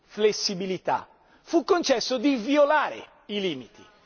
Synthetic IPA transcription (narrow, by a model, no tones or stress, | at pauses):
flesːibilit̪a̰ | fukːont͡ʃɛsːod̪iviolaːɾḛ | iliːmit̪ʰi